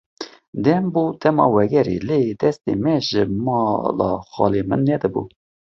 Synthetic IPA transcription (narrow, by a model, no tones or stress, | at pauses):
d̪ɛmbuːt̪ɛmɑ̰ːwɛɡɛɾḛled̪ɛst̪ḛmɛʒəmɑlɑ̰xɑ̰ːlemɨnːɛd̪ɨbṵ